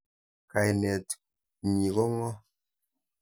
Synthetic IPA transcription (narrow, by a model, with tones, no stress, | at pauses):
ka˨jnɛ˨t | ɲi˨ɣɔ˦ŋɔ˦